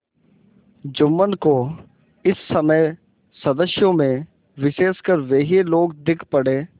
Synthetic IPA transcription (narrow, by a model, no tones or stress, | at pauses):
d͡ʒʊmːənko | ɪsːəməe | səd̪əsjõmẽ | ʋɪʃeːskəɾʋeːɦeloːɡd̪ɪkʰpəɽeː